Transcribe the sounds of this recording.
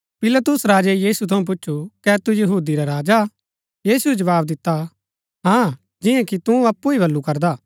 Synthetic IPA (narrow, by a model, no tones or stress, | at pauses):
pɪlɐt̪ʊsɾaːd͡ʒɛjiːsut̪ʰɐũp̬ʊt͡ʃːʃʰukɛt̪ujɐɦuːd̪iɾaɾaːd͡ʒa | jiːsued͡ʒɐʋaːb̚d̪ɪt̪ːa | ɦãː | d͡ʒɪ̃jãkit̪ũɐpːuibʱɐlːukɐɾd̪aː